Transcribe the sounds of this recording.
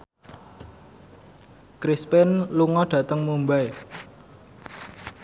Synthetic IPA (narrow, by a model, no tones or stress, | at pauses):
kɾispɪnluŋɔɖ̥ä̤t̪əŋmumbae